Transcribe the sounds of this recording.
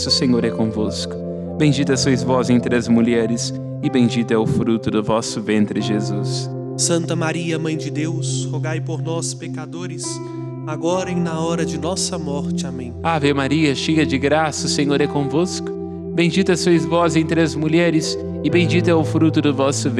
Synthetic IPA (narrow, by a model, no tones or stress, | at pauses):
sʊsẽɲoɾɛkõvoskʊ̥ | bẽj̃d͡ʒit̪ʊɐsuɐzvɔzẽnt̪ɾɪɐzmuʎɛɾɪs | ɪbẽj̃d͡ʒit̪ʊɛʊfɾut̪ʊd̪ʊvɔsʊvẽnt̪ɾɪʒezus | sɐ̃nt̪ɐmaɾiɐmɐ̃j̃d͡ʒɪd̪ewshoɡajpoɾnɔspekad̪oɾɪs | aɡɔɾɐẽj̃nɐɔɾɐd͡ʒɪnɔsɐmɔɾt͡ʃɪamẽj̃avewmaɾiɐʃeɡɐd͡ʒɪɡɾasɐʊsẽɲoɾɛkõvoskʊ̥ | bẽj̃d͡ʒit̪ɐsuɐzvɔzẽnt̪ɾɪɐzmuʎɛɾɪs | ɪbẽj̃d͡ʒit̪ʊɛʊfɾut̪ʊd̪ʊvɔsʊv